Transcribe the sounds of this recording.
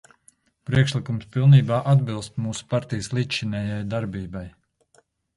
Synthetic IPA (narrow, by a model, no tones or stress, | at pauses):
pɾiɛkʃlikumspilˠniːbaːʔad̪bilˠst̪muːsu̥paɾt̪ijəslˠiʃinɛːjajd̪aɾbiːbaj